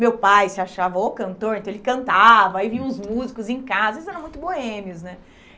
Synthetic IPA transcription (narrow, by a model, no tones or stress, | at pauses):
mewpajsɪaʃavɐokɐ̃nt̪oɾẽt̪ɐ̃elɪkɐ̃nt̪avɐaivĩɲɐ̃ʊzmuzikʊzẽkaaɐzɐelɪzɛɾɐ̃mũj̃t̪ʊboẽmiʊznɛ